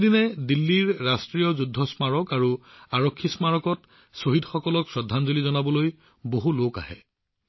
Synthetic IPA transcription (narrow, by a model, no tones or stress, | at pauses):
dinɛdilːiɹːastɹijɔzudʱːɔsmaɹɔkaɹuaɹɔkʰːismaɹɔkɔt | soɦidʱxɔkɔlɔksɹɔdʱanzolizɔnabɔloj | boɦuloka̰ɦɛ̰